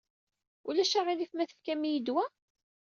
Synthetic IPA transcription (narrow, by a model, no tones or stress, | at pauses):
ulæʃaʁilifmæθə̥fkæmijid̪wæ